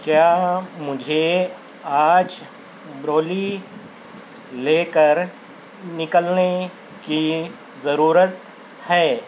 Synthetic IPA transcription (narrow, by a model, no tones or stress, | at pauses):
kjaːmʊd͡ʒʱe | aːd͡ʒ | bɾoːli | leːkəɾ | nɪkəlne | ki | zɐɾuːɾət̪ | hɛː